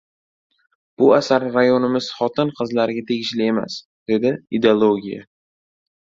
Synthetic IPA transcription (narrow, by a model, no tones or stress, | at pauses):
b̥ʊasaɾːajonɪmɪz̥χɒt̪ʰɪnqʰɨzlaɾɡʲat̪ʰe̞ɡʲɪʃlɪe̞ma̰s | d̪̥e̞d̪ɪid̪eolˠoɡʲija̰